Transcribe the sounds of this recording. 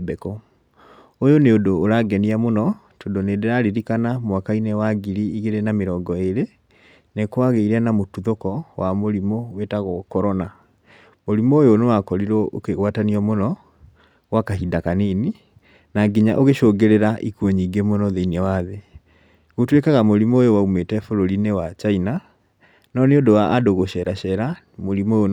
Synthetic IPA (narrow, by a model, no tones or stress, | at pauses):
bɛkɔ | ojoneodoːɾaɡɛniamonɔ | todonedeɾaɾiɾikanamwakainewaɡiɾiiɣeɾenameɾɔːŋɡɔeɾe | nekwaɣeiɾɛnamotuðokɔwamoɾimowetaɣɔkɔɾɔna | moɾimoːjonewakɔɾiɾɔʔo̰keɣwataniɔmonɔ | ɣwakaɦidakaneni | naɡiɲa̰ʔoɣeʃoːɡeɾeɾaʔikuɔɲiɡemonɔðeinɛwaðe | ɣotwekaɣamoɾimɔːjowaumetɛfoɾoɾinewat͡ʃaina | nɔneodowaːdoɣoʃɛɾaɕɛɾa | moɾimojo